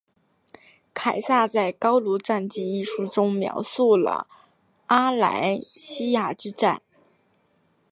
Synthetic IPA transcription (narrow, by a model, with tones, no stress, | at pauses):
kʰa˨˩ɪsa˥˧t͡sa˥˩ɪkɑ˥ʊlu˧˥ʈ͡ʂa˥˧nt͡ɕi˥˧i˥˩ʂu˧˥ʈ͡ʂʊ˥ŋmjɑ̰˧˥ʊsu˥˩lə̰˩ | a˥la̰˧˥ɪɕi˥ja˨˩ʈ͡ʂɻ̩˥ʈ͡ʂa˥˩n